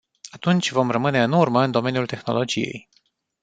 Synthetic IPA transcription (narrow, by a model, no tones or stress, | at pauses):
at̪unt͡ʃʲvo̞mrəmɨne̞ɨnurməɨnd̪o̞me̞njult̪e̞xno̞̰lo̞d͡ʒije̞̰j